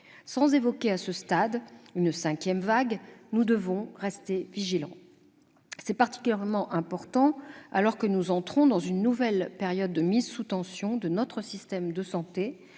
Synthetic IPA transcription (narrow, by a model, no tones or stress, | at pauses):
sɑ̃zevɔkʲeasəst̪ad̪ynsɛ̃kʲjɛmvaɡnud̪əvɔ̃ʁɛst̪eviʒilɑ̃ | sɛpaʁt̪i̥kʲyljɛʁmɑ̃ʔɛ̃pɔʁt̪ɑ̃alɔʁkənuzɑ̃t̪χɔ̃d̪ɑ̃zynːuvɛlpeʁjɔd̪ːəmizsut̪ɑ̃sjɔ̃d̪ənɔt̪χəsist̪ɛmd̪əsɑ̃t̪e